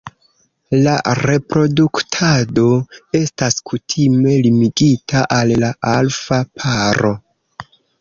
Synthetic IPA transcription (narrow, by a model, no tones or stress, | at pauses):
la̰ɾe̞pɾo̞duktʰado̞e̞staskʰutʰime̞limiɡitaʔalːaʔalfapʰaɾo̞